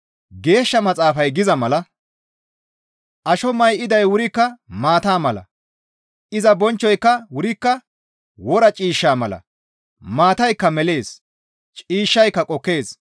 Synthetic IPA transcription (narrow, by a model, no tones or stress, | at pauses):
ɡe̞ːʃːɐmɐt͡sʼaːfɐjɡɪzɐmɐlɐ | ʔɐʃɔmɐjʔɪd̪ɐjwʊɾɪkːɐmaːt̪aːmɐlɐ̰ | ʔɪzɐbɔnt͡ʃːɔjkːɐwʊɾɪkːɐ | wɔɾɐt͡ʃʼiːʃːaːmɐlɐ̰ | maːt̪ɐjkːɐmɛle̞ːs | t͡ʃʼiːʃːɐjkːɐkʼɔkːe̞ːs